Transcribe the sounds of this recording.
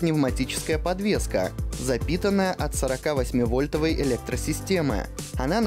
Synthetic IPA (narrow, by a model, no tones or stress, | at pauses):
nʲɪvmɐtʲit͡ɕɪ̥skəjəpɐd̪vʲe̞skə̰zɐpʲit̪ənːəjəʔɐt̪səɾɐkavɐsʲmʲivo̞lʲt̪əvəjɪlʲek̚t̪ɾəsʲɪsʲtʲe̞mɨ̰ɐnan